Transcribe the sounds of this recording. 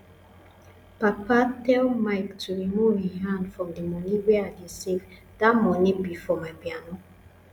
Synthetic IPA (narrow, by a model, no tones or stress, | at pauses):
papatɛlmaɪktʰuɹimuviɦãndfɹɔ̃mdimɔniweadisiv | d̥amɔnibifɹɔmabjanɔ